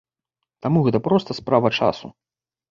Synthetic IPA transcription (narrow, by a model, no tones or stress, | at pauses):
t̪amuɣɛt̪ɐpɾɔst̪ɐspɾavɐt͡ʂa̰sṵ